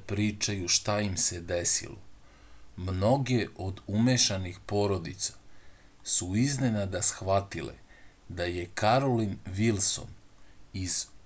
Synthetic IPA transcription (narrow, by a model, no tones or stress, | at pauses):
pɾiːt͡ʃajuʃt̪aimsed̪esḭlo̰ | mno̞ɡeʔo̞d̪umeʃanixpo̞ɾo̞d̪it̪sḁ | suizne̞nad̪asxʋat̪ilḛd̪aje̞kaɾolinʋilso̞̰niz̥